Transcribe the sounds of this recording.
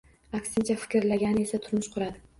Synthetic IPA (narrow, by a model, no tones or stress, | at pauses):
akʲsɪnt͡ʃʰafɪ̥kʲɪɾlaɡʲanɪe̞sat̪ʰʊɾnɪʃqʰʊɾad̪ɪ